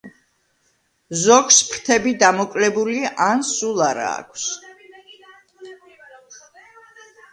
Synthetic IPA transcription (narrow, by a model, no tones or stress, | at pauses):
zɔkʰspʰɾt̪ʰɛbid̪amɔkʼlɛbuliansulˠaɾa̰ːkʰs